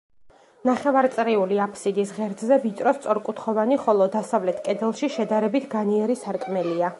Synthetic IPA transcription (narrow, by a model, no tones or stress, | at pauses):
naχɛvaɾt̪sʼɾiuliapʰsid̪isʁɛɾd̪zzɛvit̪ʼɾɔst̪sʼɔɾkʼut̪ʰχɔvaniχɔlˠɔd̪asavlɛt̪ʰkʼɛd̪ɛlˠʃiʃɛd̪aɾɛbit̪ʰɡaniɛɾisaɾkʼmɛlia